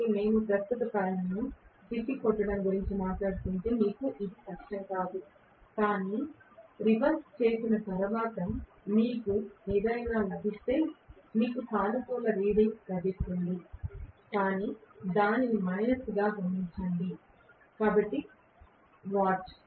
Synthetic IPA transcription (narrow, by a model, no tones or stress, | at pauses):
ne̞ːnupɾɐst̪ɐt̪ɐpɐjɐnut̪ipːikɔʈːɐɽɐmɡuɾiɲt͡ʃimaːʈlaːɽut̪unʈ̪emiːkuʔid̪ikɐkʂɐŋkaːd̪u | kaːniɾiʋɐɾst͡ʃe̞ːsinɐt̪ɐɾʋaːt̪ɐ | miːkueːd̪ɐjnaːlɐbʱist̪e̞ːmiːkusʰaːnɐtuːlɐɾiːɽiŋlɐbit̪ːund̪ikaːniːd̪aːninimɐjnɐsuɡaːɦɐmːiɲt͡ʃɐɳɖi | kaːbɐʈːi | ʋaːʈt͡ʃ